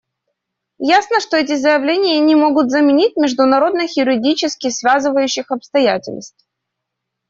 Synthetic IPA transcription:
jasnəʂt̪o̞ɛtʲɪzəjɪvlʲenʲɪjənʲɪmo̞ɡʊt̪zəmʲɪnʲit̚ʲmʲɪʐd̪ʊnɐɾo̞d̪nəxʲɪɾʲɪdʲit͡ɕɪskʲɪsvʲazɨvəjʉɕːɪxɐpst̪ɐjætʲɪ̰lʲnst̪f

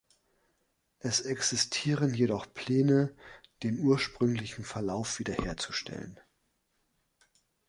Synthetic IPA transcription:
ʔɛsɛksɪstʰiːʁənjedɔχpʰl̥ɛːnəd̥eːmʔuːɐʃpʁ̥ʏŋlɪçn̩fɛɐlaʊfv̥iːdɐheːɐt͡su̥ʃtʰɛ̰lə̰n

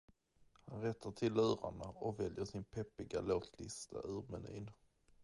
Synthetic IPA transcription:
hanɾɛt̪ʰːaʈʰɪlːʉːɾaɳaɔkvɛljəʂɪnpʰɛpːɪɡaloːt̪ʰlɪst̪ʰa̰ʔʉːɾmɛnḭːn

